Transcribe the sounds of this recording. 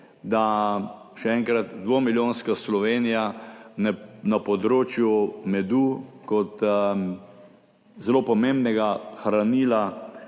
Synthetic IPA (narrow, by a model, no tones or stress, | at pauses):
d̪a | ʃɛɛŋkɾat̪d̪ʋoːmiljõːnskaslɔʋeːnija | napɔd̪ɾoːt͡ʃjumɛd̪uːkɔt̪ | zɛloːpɔmẽmbnɛɡaxɾaniːla